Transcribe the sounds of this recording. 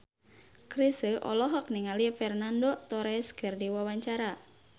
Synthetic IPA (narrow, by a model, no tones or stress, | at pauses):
kɾisəʔɔ̰lɔɦɔk̚niŋalifɛrnandot̪ɔɾɛsɡ̥ərdiwawaɲt͡ʃaɾa